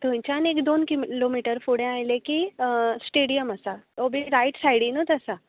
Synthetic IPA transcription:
t̪uɦĩt͡ɕanekd̪onkilomiʈəɾfuɽẽajlekisʈeɽijəməsaobiɾajʈsajɽinut̪əsa

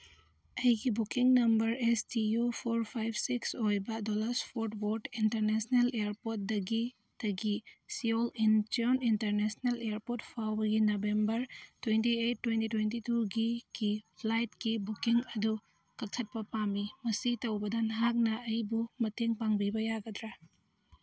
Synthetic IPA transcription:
ɐjɡibukiŋnɐmbɐɾestijupʰoɾpʰajbʰsiksojbɐdolaɾspʰoɾt̚boɾtintɐɾnesnelejɾpot̚dɐɡi | tɐɡisiolint͡ʃionintɐɾnesnelejaɾpot̚pʰawbɐɡinobembɐɾtwentiejtːwentitwentituɡiɡ̥ipʰlajt̚kibukiŋɐdu | kɐk̚tʰɐt̚pɐpamimɐsitɐwbɐdanɦak̚nɐɐjbumɐteŋpaŋbibɐjaɡɐdɾa

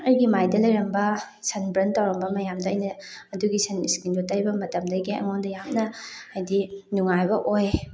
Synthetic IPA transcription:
ɐjɡimajdɐlɐjɾɐmbɐ | sʰɐnbɾɐntːawɾɐmbɐmɐjamdɐːjnɐɐduɡisɐniskindotɐɾibɐmɐtɐmdɐɡiɐ̰ŋondɐjamnɐɐjdinuŋajbɐʔoj

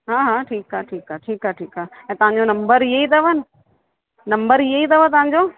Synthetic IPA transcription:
ɦãːɦãːʈʰiːkaʈʰiːkaːʈʰiːkɦaːʈʰiːkaːɛ̃ːt̪ɐɦãɲd͡ʑonɐ̃mbəɾiɦeit̪ʰɐʋənɪ̆ | nɐ̃mbəɾiɦeit̪ʰɐʋət̪ɐʋɦãɲd͡ʑoː

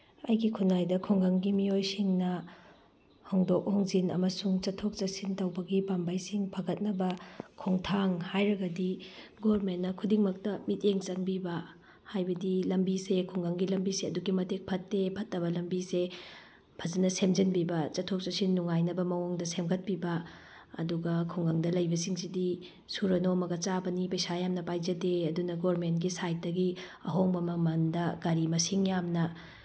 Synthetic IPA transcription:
ɐjɡikʰunːajdɐkʰoŋɡɐŋɡimiojsiŋnɐ | hoŋdok̚hoŋzinɐ̰mɐsuŋt͡ʃɐtʰːok̚t͡ʃɐsintɐwbɐɡipambajsiŋpʰɐɡɐt̚nɐbɐkʰoŋtʰaŋhajɾɐɡɐdiɡoɾmenːɐkʰudiŋmɐk̚tɐmit̚eŋt͡ʃɐŋbibɐ | hajbɐdilɐmbisekʰoŋɡɐŋɡilɐmbiseɐduɡimɐtek̚pʰɐtːepʰɐtːɐbɐlɐmbise | pʰɐzɐnɐsemd͡ʒɐnbibɐt͡ʃɐtʰok̚t͡ʃɐsinuŋajnɐbɐmɐwoŋdɐsemɡɐt̚pibɐ̰ː | duɡɐkʰuŋɡɐŋdɐlɐjbɐsiŋsidi | suɾɐnomɐɡɐt͡ʃabɐnipɐjsajamnɐpajd͡ʒɐdeɐdunɐɡoɾmentɡisajt̚dɐɡiɐ̰ɦoŋbɐmɐmɐndɐɡɐɾimɐsiŋjamnɐ

